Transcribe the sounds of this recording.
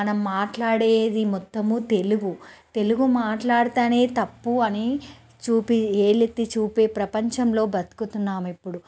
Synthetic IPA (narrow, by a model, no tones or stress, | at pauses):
ɐnɐmːaːʈlaːɽeːd̪imɔt̪ːɐmut̪e̞luɡut̪e̞luɡumaːʈlaːɽut̪aːne̞ːt̪ɐpːuɐni | t͡ʃuːpieːlet̪ːit͡ʃuːpe̞ːpɾɐpɐɲt͡ʃɐmlo̞ːbɐt̪u̥kut̪unːaːmepːuɽu